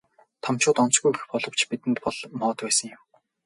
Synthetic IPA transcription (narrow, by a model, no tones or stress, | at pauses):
t̪ʰɔmt͡ɕʊːt̪ɔnt͡sɡuj̆xpɔɮɞ̆w̥t͡ɕpit̪ɘ̆nt̪pɔɮ̥mɔːt̪pæːsə̆ŋjʊ̆m